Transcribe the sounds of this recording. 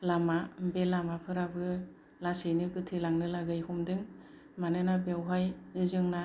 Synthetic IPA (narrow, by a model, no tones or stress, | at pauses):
lamambelamapʰɯɾabɯ | lasɯjnɯkɯtʰɯlaŋnɯlaɡɯjhumdɯŋ | manɯnabewɦajɯzɯŋna